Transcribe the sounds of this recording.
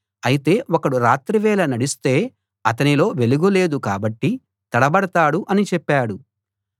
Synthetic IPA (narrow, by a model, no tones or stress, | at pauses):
ɐjit̪e̞ːɔkɐɽuɾaːt̪ɾiʋɛːlɐnɐɽist̪e̞ː | ɐt̪ɐnilo̞ːʋe̞luɡole̞ːd̪ukaːbɐʈːi | t̪ɐɽɐbɐɽɐt̪aːɽuʔɐnit͡ʃɛpːaːɽu